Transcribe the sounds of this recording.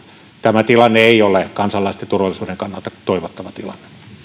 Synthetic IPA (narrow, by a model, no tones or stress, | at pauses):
t̪æmæt̪ilɑnːeeiolekɑnsɑlːɑˑist̪ent̪urʋɑlːˑisuːdeŋkɑnːɑlt̪ɑt̪oiʋot̪ːɑʋɑt̪ilɑ̰nːe̥